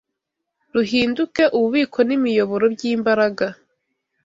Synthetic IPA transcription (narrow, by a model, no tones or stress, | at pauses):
ɾuɦiːnduke̞ʔuβuβiːkʰo̞nimijo̞βo̞ɾo̞bjiːmbaɾaɡa